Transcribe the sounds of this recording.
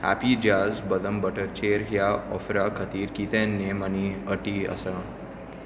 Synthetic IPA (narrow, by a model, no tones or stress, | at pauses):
hæ̰pid͡ʒaːzbəd̪əmbəʈəɾt͡ʃeːɾɦjaɔfɾakʰət̪iːɾkit̪enːeməniəʈiə̰sa